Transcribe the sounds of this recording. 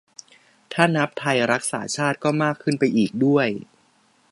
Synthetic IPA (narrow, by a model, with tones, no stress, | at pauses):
t̪ʰaː˥˩na˦˥p̚t̪ʰa˧jɾa˦˥k̚sa̰ː˩˦t͡ɕʰaː˥˩t̪̚kɔː˥˩maː˥˩kʰːɯ˥˩npa˧jʔiː˨˩k̚du˥˩əj